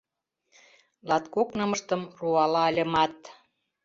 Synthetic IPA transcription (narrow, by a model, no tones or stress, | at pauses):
lɑt̪koknɤ̆mə̆ʃt̪ə̆mruɑlɑəlʲə̆mɑt̪